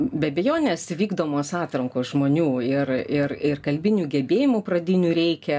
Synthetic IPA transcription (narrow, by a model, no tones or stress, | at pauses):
bʲɛɐbʲɛjoːnʲeːsʋʲiːɡd̪oːmoːsɑːt̪ɾɐŋkoːsʒmoːnʲuːɪrɪrɪrkɐlʲbʲɪnʲuːɡʲɛbʲeːjɪmuːpɾɐd̪ʲɪnʲuːɾʲɛɪkʲɛ